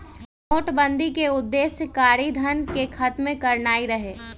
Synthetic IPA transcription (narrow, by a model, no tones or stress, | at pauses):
noːʈbə̃nd̪ʱikeʊd̪ːeːskaːɾid̪ʱənkekʰɐt̪mẽkɐɾnaːiɾɐɦeː